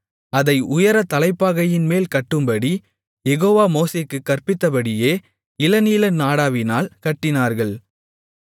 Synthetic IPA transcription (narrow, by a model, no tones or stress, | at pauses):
ɐðɐɪʔʊjɐɾɐt̪ɐlɐɪpːaːɣɐjɪnmeːlkɐʈːɯmbɐɽi | jɛɣoːʋaːmoːseːkːɯkːɐrpɪt̪ːɐpɐɽɪjeː | ɪlɐniːlɐnaːɽaːʋɪnaːlkɐʈːɪnaːɾɣɐɭ